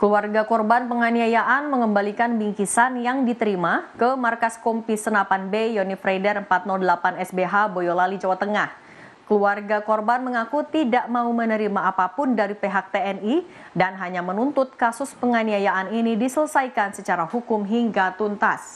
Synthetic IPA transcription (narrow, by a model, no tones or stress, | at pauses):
kəluarɡakɔrbanpəŋaniajaʔanməŋəmbalikanbiŋkisanjaŋdit̪əɾimakəmarkaskɔmpisənapanbejɔnifɾajdərəmpat̪̚nɔldəlapanɛsbeɦabojolalid͡ʒawat̪əŋah | kəluarɡakɔrbanməŋakut̪idaʔmaumənəɾimaːpapʊndaɾipeɦak̚t̪eɛni | danɦaɲamənunt̪ʊt̪̚kasʊspəŋaniajaʔaninidisələsajkansət͡ʃaɾahukʊmɦiŋɡat̪unt̪a̰s